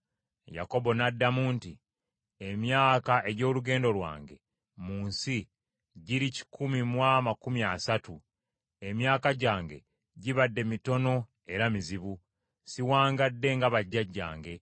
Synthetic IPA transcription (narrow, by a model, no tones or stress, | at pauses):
ja̰ko̞bo̞nadːamuːnti | emjaːkaʔe̞ɟo̞ːluɡe̞ːndo̞lwa̰ːŋɡe̞̰ | muːnsi | ɟiɾici̥kumimwamakumjiasatu | e̞mjaːkaɟaːŋɡe̞̰ | ɟiβadːe̞mito̞no̞ | e̞ɾamiziβu | siwaːŋɡadːe̞ŋɡaβaɟːaɟːa̰ːŋɡe̞